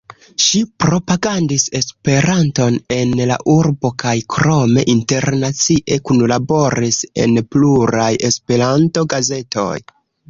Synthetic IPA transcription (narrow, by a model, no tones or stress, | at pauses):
ʃipɾo̞paɡandise̞spe̞ɾanto̞ne̞nla̰ʔuɾbo̞kajkɾo̞me̞ʔinte̞ɾnat͡siʔe̞kunlabo̞ɾise̞̰npluɾaje̞spe̞ɾanto̞ɡaze̞to̞̰j